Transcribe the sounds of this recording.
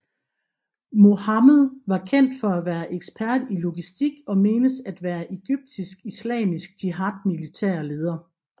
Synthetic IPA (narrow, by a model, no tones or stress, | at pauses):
mo̝hɑmðˠʋɑ̈kʰen̰d̥fɒ̽æʋæːɐʔeɡ̥sb̥ʰæɐd̥ilo̝ɡ̥isd̥iɡ̥ɒ̽me̝ːnəsæd̥ʋæːɐʔe̝ɡ̥yb̥̚d̥isɡ̥islɛ̰ːmisɡ̥̚d̥iɦɑ̈d̥̚milit͡sʰæ̰ːɐle̝ːð̞ˠɐ